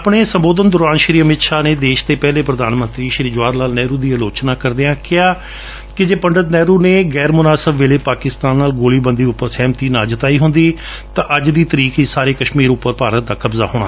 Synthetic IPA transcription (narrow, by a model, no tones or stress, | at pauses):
pɽeːsə̃mboːd̪ənd̪ʊɾaːnʃɾiːəmɪt̪ʃaːneːd̪eːʃt̪eːpɛːleːpɾəd̪aːnmə̃nt̪ɾiːʃɾiːd͡ʒʊʋaːɾnaːlnɛːɾuːd̪iːəloːt͡ʃnaːkəɾd̪eːãːkɪaː | kɪd͡ʒeːpəɳɖət̪nɛːɾuːneːɡɛːɾmʊnaːsəbʋeːleːpaːkɪst̪aːnːaːlɡoːliːbənd̪iːʊpːəɾsɛːmt̪iːnãːd͡ʒət̪aːiːɦʊnd̪iː | t̪ãːʔəd͡ʒd̪iːt̪əɾiːkiːsaːɾeːkəʃmiːɾʊpːəɾpaːɾət̪̚d̪aːkəbza̰ːɦʊːɽ̃ɳaː